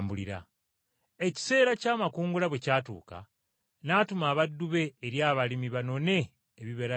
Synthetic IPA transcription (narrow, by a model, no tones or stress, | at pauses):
mbuliɾa̰ | eci̥se̞ːɾacaːmakuːŋɡulaβwecaːtṵːka̰ | naːtumaːβadːuβe̞ːɾjaːβalimiβano̞ne̞ː | βiβeɾa